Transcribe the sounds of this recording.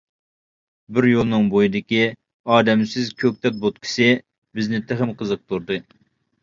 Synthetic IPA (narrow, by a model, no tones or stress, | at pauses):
bɪɾjolˠnɨŋbojid̪ɪkʲi | ɑːd̪ɛmsɪzkʲʰøk̚ʲt̪ʰɛt̪̚bot̪̚kʲʰɪ̥sɨ | bɪznɪt̪ʰeχɪmqʰəzɨq̚t̪ʰuɾd̪ɨ